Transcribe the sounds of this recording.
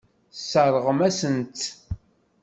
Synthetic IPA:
sːəɾˤəʁəmæsənt̪

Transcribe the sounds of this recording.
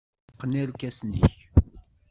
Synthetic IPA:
qːnælkæsnḭç

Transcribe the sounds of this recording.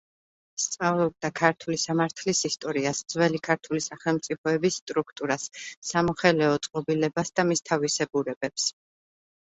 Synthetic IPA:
st̪sʼavlˠɔb̚d̪akʰaɾt̪ʰulisamaɾt̪ʰlisist̪ʼɔɾiasd̪z̥wɛlikʰaɾt̪ʰulisaχɛlˠmt̪sʼipʰɔɛbisːt̪ʼɾukʰt̪ʼuɾasːamɔχɛlɛɔt̪sʼqʼɔbilɛbasd̪amist̪ʰavisɛbuɾɛbɛps

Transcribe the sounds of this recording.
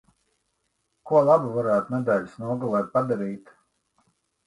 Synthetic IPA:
kuɔlˠabuvaɾæːt̪unɛd̪ɛːlʲusnuɔɡulˠɛj̪̚pad̪aɾiːt̪

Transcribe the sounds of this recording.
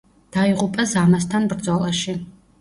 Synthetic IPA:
d̪̥aiʁupʼazamast̪ʰanbɾd̪zɔlˠaʃi

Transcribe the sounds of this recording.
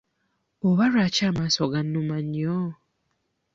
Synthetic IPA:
oβaɾat͡ʃamasoɡanumaɲɔ

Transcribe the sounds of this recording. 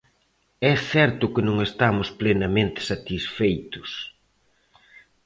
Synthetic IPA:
ɛθɛɾt̪ʊkɪnõŋest̪amʊsplenamẽnt̪ɪ̥sat̪isfejt̪ʊs

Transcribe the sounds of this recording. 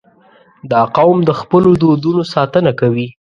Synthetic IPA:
d̪ɑqawmd̪əxpəlod̪od̪unosɑt̪ənakawi

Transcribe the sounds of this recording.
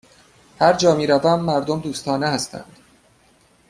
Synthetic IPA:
hæɾd͡ʒɒːmiːɾævæmːæɾd̪omd̪uːst̪ʰɒːnehæst̪ʰæ̰nd̪̥

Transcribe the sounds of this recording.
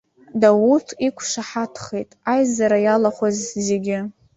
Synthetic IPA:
dawutʰikʷʰʂaħatʰχejtʼajzaɾajalaχʷazze̞ɡʲɪ

